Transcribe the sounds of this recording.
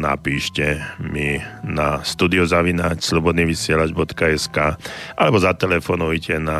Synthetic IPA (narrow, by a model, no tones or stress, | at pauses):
na̰piːʃcɛminast̪uːd̪iɔzaʋinacslɔbɔd̪niʋisɪɛlad͡ʒbɔt̪kaɛskaːʔalɛbɔzat̪ɛlɛfɔːnɔʊicɛna